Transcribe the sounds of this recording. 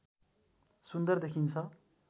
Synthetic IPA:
sund̪ʌrd̪ekʰint͡sʰʌ

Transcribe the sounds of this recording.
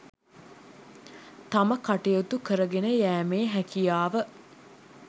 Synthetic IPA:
t̪aməkaʈejot̪ukəɾəɡenəjæːmeːɦækijaːʋə

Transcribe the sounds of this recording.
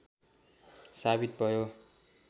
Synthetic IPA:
sabit̪̚bʱʌjo

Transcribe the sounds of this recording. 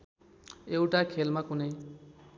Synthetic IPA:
ewʈakʰelmakunej

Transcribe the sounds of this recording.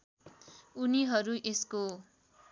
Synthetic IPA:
uniɦʌɾuʔesko

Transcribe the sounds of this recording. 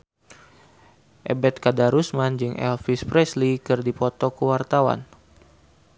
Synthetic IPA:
ʔɛbɛt̪̚kadaɾusmand͡ʒɨŋɛ̰lfispɾɛslikɨrdipɔt̪ɔkəwart̪awa̰n

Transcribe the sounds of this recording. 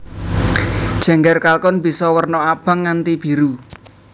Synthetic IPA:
d̥ʒ̥ɛ̤ŋɡɛrkalkʊnbi̤sɔwərnɔab̥a̤ŋːant̪ib̥i̤ɾu

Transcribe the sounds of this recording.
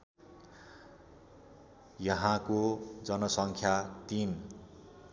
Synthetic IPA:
jʌɦãkod͡zʌnʌsʌŋkʰjat̪in

